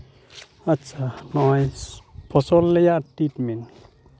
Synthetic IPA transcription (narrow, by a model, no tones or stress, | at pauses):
at͡sanɔajpʰɔsɔlːejatitmin